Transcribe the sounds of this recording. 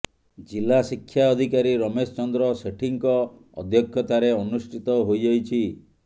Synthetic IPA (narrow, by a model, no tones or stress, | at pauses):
d͡ʒilasikʰːjaɔd̪ʱikaɾiɾɔmest͡ʃɔnd̪ɾɔseʈʰiŋkɔ | ɔ̰d̪ʱjɔkʰjɔt̪aɾeɔnusʈʰit̪ɔɦojd͡ʒajt͡ʃʰi